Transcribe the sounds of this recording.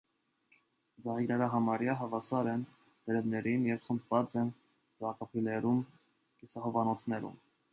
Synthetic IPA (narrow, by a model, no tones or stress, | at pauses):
d͡zɑʁiɡɾɛɾɑɦɑmɑɾjɑɦɑvɑsɑɾɛn | d̪ɛɾɛvnɛɾinjɛvχəmbvɑt͡sɛn | d͡zɑkɑpʰilɛɾum | kisɑɦɔvɑnɔt͡sʰnɛɾṵm